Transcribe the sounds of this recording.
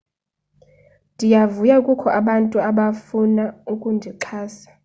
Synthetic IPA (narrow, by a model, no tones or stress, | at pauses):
ndʱijavujakʼukʰɔʔaɓantʼuaɓafunaukʼundʱiǃʰaːsḁ